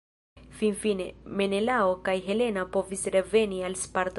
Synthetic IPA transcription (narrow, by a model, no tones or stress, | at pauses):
finfine̞̰me̞ne̞laokajɦe̞le̞napo̞visɾe̞ve̞nialspaɾt̪